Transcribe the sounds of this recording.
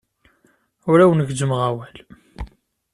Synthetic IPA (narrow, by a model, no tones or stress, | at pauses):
ʊɾæwənɡd͡ʒəmʁæwæl